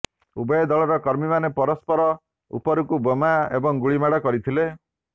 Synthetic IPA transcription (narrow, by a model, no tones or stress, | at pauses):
ubɔjɔd̪ɔɭɔɾɔkɔɾmimanepɔɾɔspɔɾɔ | ṵpɔɾukubomaebɔŋɡuɭimaɽɔkɔɾit̪ʰile